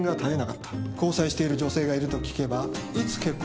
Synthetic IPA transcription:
ŋɡat̪aɾe̞naka̰t̪ːḁko̞ːsaiɕi̥t̪e̞iɾɯ̟d͡ʑo̞se̞ːɡaiɾɯ̟t̪okʲi̥ke̞bait͡sɨ̥ke̞kː

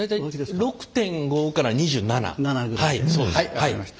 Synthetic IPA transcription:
ajt̪aiɾo̞kɯ̟̥t̪ẽ̞ŋɡo̞kaɾaɲ̟iʑɨːnana̰ahaisohai

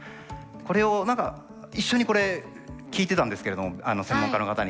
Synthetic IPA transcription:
ko̞ɾe̞onãŋka̰ | iɕːo̞ɲ̟iko̞ɾe̞ | kʲiːt̪e̞t̪ãnd̪esɨ̥ke̞ɾe̞d̪o̞moano̞sẽ̞mːõ̞ŋkano̞kat̪aɲ̟

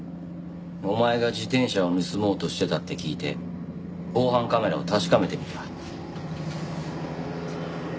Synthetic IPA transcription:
omae̞ɡad͡ʑit̪ẽ̞ɰ̃ɕaomɯ̟sɨmo̞ːt̪o̞ɕi̥t̪e̞t̪at̪ːe̞kʲiːt̪e̞̰ | ko̞ːɦãŋkame̞ɾa̰ot̪aɕi̥kame̞t̪e̞mʲit̪ḁ

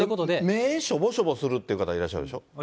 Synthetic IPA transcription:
ɯkot̪od̪emeːɕobo̞ɕobo̞sɨɾɯ̟t̪ːe̞iɯ̟kat̪aiɾaɕːaɾɯ̟d̪eɕo

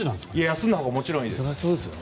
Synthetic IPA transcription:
nãiajasɨ̃nd̪ahoːɡamo̞t͡ɕiɾõiːd̪soːd̪s

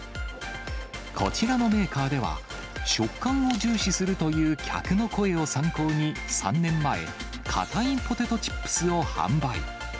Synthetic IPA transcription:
kʰo̞̰t͡ɕiɾano̞me̞ːkaːd̪e̞βa̰ | ɕo̞kːãɰ̃o̞ʑɨːɕisɨɾɯ̟t̪o̞jɯ̟ːkʲʰa̰kɯ̟no̞ko̞e̞o̞sãŋko̞ːɲ̟isã̰nːẽ̞mːae̞̰ | kʰa̰t̪aĩpo̞t̪e̞t̪o̞t͡ɕi̥pːɯ̥sɨo̞hã̰mbaḭ

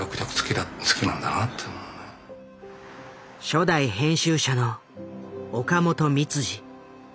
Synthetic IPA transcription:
okɯ̟t̪ʲakɯ̥t͡sɨ̥kʲid̪at͡sɨ̥kʲinãnd̪anat̪ʰːe | ɕo̞d̪aihẽ̞ɰ̃ɕɨːɕano̞ | okamo̞t̪o̞mʲit͡sɨʑi

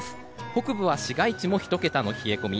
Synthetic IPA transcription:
ho̞kɯ̟bɯ̟β̞aɕiɡait͡ɕimo̞çi̥t̪o̞ke̞t̪ano̞çie̞ko̞mʲi

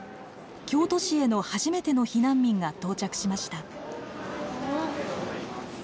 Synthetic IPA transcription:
kʲo̞ːt̪o̞ɕie̞no̞haʑime̞t̪e̞no̞çinãmʲːĩŋɡat̪o̞ːt͡ɕakɯ̟̥ɕimaɕi̥t̪a

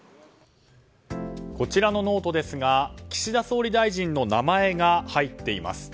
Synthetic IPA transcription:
ko̞t͡ɕiɾano̞no̞ːt̪o̞d̪e̞sɨɡakʲi̥ɕid̪aso̞ːɾʲid̪aiʑĩnnːo̞namae̞ɡahait̪ːe̞ima̰sɨ̥

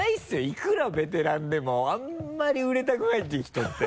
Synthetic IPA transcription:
aisɨjoikɯ̟ɾabe̞t̪̬e̞ɾãnd̪e̞mo̞amːaɾʲiɯ̟ɾe̞t̪akɯ̟nait̪̬ːeçʲi̥t̪o̞t̪ːe

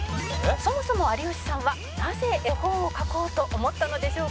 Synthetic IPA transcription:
so̞mo̞so̞mo̞aɾʲioɕi̥sãɰ̃βa | naze̞ʔehoːokako̞ːt̪o̞ʔomo̞t̪ːano̞d̪e̞ɕo̞ː

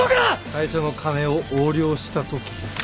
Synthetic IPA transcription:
okɾak̪aiɕono̞kʰane̞oʔoːɾʲo̞ːɕi̥t̪at̪o̞kʲi̥

